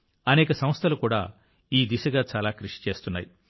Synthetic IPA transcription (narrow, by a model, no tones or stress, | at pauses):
ɐnɛːkɐsɐ̃m̃st̪ʰɐlukuːɽa̰ː | iːd̪iʃɐɡaːt͡ʃaːlaːkɾuʂi̥t͡ʃe̞ːst̪unːa̰ːji